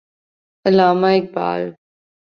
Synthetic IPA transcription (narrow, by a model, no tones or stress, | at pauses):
əlaːmaːɪk̚ba̰ːl